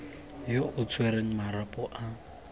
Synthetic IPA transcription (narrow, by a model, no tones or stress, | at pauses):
joʔʊt͡sʰweɾeŋ̩maɾapʼɔʔa